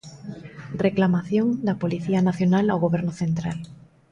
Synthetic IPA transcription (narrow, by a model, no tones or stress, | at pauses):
reklamaθjoŋd̪ɐpoliθianaθjonalawɣoβɛɾnʊθent̪ɾal